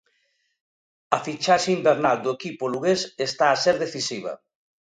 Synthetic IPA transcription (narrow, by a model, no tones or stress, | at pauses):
ɐfit͡ʃaʃeimbeɾnald̪oekipoluɣesest̪aːseɾðeθisiβ̞ɐ̰